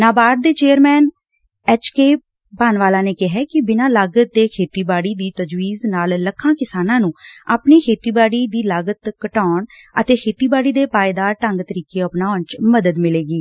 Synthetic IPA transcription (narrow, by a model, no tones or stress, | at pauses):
naːbaːɾd̪eːt͡ʃeːəɾmɛːn | ɛːt͡ʃkeː | baːnʋaːlãːneːkɪɦɛːkɪbɪnãːlaːɡət̪̚d̪eːkʰeːt̪iːbaːɽiːd̪iːt̪əd͡ʒʋiːznaːlləkʰːãːkɪsaːnãːnũːaːpniːkʰeːt̪iːbaːɽiːd̪iːlaːɡət̪kəʈaːɳət̪eːkʰeːt̪iːbaːɽiːd̪eːpaːed̪aːɾʈəŋɡt̪əɾiːkeːəpnaːʊɳt͡ʃməd̪əd̪mɪleːɡiː